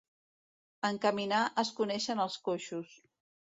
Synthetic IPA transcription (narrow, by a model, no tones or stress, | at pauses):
əŋkəminaʔəskunɛʃənəlˠskoʃus